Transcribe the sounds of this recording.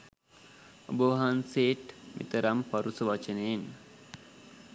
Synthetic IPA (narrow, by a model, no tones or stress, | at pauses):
o̰bəʋaɦanseːʈmḭt̪əɾampaɾusəʋat͡ʃənəːn